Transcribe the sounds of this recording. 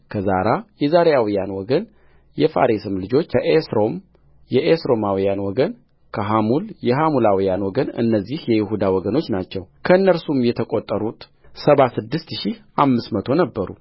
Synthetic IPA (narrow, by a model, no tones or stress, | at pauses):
kʰəzaɾajɛzaɾjawijanwɔɡən | jɛfa̰ɾisɨmlɨd͡ʒo̞t͡ʃːəʔesɾo̞m | jɛʔesɾo̞mawijanwɔɡən | kʰəɦamuljɛɦamulawijanwɔɡənɨ̰nːəzːihjɛjɪɦud̪awɔɡəno̞t͡ʃːnat͡ʃːɛwkʰəɨnːəɾsumjɛt̪ʰəkʼot̪ʼːəɾut̪ | səβasɨd̪ːɨst̪ʃiamːɨsmət̪ʰo̞nəbːəɾṵ